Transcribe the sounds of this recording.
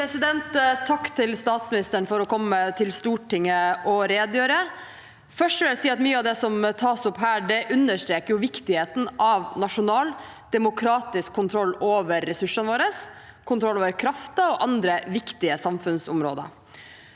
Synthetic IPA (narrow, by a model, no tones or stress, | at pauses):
pʰɾɛsɪd̪ɛnt̪t̪ʰːɑkːt̪ʰɪlst̪ɑːt̪smɪnɪst̪əɳfɔɾɔkʰɔmːət̪ʰɪlst̪uːʈɪŋːəʔɔɾeːd̪jøːɾə | fœʂʈʋɪljæsiːɑt̪myːəɑʋd̪ɛsɔmt̪ʰɑːsʊpɦæːɖɛʔʉnːəʂʈɾeːkəɾjʊʋɪkt̪ɪheːt̪n̩ʔɑʋnɑʂʊnɑːld̪̥ɛmʊkʰɾɑːt̪ɪskʰːʊnt̪ʰɾɔlːoːʋəɾːɛsʉʂːənʋoːɾəs | kʰʊnt̪ʰɾɔlːoːʋəɾkʰɾɑft̪əɔʔɑnd̪ɾəʋɪkt̪ɪəsɑmfʉnsʊmɾo̰ːd̪ə̰